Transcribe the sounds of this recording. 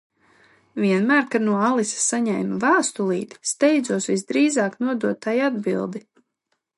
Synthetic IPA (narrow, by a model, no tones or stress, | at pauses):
vʲiɛnmæːɾkanuɔalˠissaɲɛjmvaːst̪ulˠḭːt̪st̪ɛjd̪zuɔsvisd̪ɾiːzaːknuɔd̪uɔtt̪ːajad̪bilˠd̪i